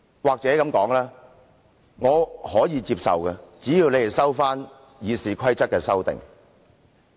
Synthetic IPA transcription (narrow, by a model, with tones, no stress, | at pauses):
waː˨k̚t͡sɛː˨˥kɐ˨˥mkɔː˨˥ŋlɛː˥ | ŋɔː˨˧hɔː˨˥jiː˨˧t͡siː˧p̚sɐ̰˨wkɛ˧t͡siː˨˥jiː˧wle˨˧je˨˩sɐ˥wfaː˥n | jiː˨˧siː˨kʰɐ˥jt͡sɐ˥t̚kɛː˧sɐ˥wt̪ɪ̰˨ŋ